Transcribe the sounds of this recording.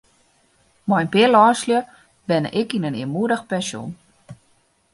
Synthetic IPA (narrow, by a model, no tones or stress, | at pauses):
mɔjnpɪəlɔːsljə | bɛn̰ʔɪkinəniəmuədəxpɛnsjo̰n